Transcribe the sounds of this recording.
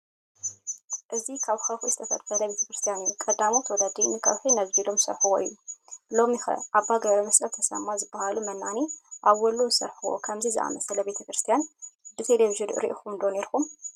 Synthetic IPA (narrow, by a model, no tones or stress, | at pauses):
ʔɨzikʰaβxɐwxuzɨ̥t̪ʰɐfɐ̰d̪fɐlɐjbe̞t̪ʰɐkɾɨst̪ʰijanijukʼɐd̪amot̪ʰɐwɔd̪ad̪imɨkʰɐ̰wħinɐzbilomsɐ̰ɾħuwo̰ʔɨ̰jːulo̞mixɐ̰ʔaβaɡɐɾɐmɐsʼɐt̪ʰɐsɐ̰mːazɨbːahalumɐnːaniʔaβwɔlusɐ̰ɾħuwo̰kʰɐmzizɨʔa̰mɐsɐlɐbe̞t̪ʰɐkɾɨst̪ʰijanbɨt̪ʰeleβiʒɨnɨ̰ɾḭʔixumnd̪oneɾkum